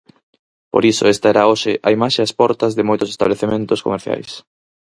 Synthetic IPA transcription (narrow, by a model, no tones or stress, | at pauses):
po̰ɾiso̰est̪aɛɾaoʃɪʔaimaʃeaspɔɾt̪ɐzðɪmojt̪oʊse̥st̪a̰βleθemẽnt̪osko̰meɾθja̰js